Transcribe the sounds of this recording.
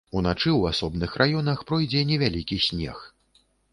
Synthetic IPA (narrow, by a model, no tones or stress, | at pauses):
unat͡ʂɨwasɔbnɨxrʔajɔnɐxpɾɔjd͡zʲɛnʲɛvʲalʲikʲisʲnʲɛ̰x